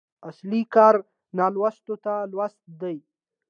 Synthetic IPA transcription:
aslikɑːɾ | nalwast̪ot̪alwast̪̚d̪aj

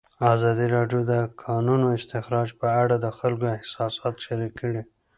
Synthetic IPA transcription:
ɑzɑd̪iɾɑɖjod̪əkʰɑnunoɪst̪ɪxɾɑd͡ʒpəaɽad̪əxalkoɪhsɑsɑt̪ʃaɾikːəɽi

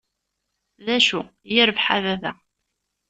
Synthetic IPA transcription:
ðæʃujɪɾəvħaðæðæ

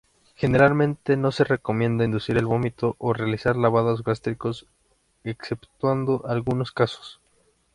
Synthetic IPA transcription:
xe̞ne̞ɾalmẽ̞nt̪e̞no̞se̞re̞ko̞mjẽ̞nd̪aind̪usiɾe̞lβo̞mit̪o̞ʔorealisaɾlaβaðozɣast̪ɾiko̞s | ekse̞pt̪wand̪o̞ʔalɣuno̞skaso̥s

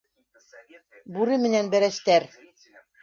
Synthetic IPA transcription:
buɾɘmɘ̆nænbæɾæst̪æɾ

